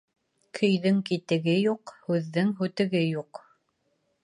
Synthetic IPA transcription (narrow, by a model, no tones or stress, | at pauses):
kʰɵ̆jðɘŋkit̪ɘ̆ɡɘjuqhʉðːɘŋɦʉt̪ɘ̆ɡɘjuq